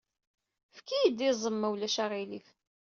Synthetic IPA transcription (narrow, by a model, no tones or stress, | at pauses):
fkːijəd̪izˤəmːæwlæʃaʁilif